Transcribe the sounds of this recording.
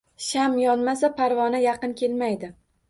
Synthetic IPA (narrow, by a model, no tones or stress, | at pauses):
ʃamjɒnmas̬apʰaɾvɒnajɑqɨnkʲʰe̞lmajd̪ɪ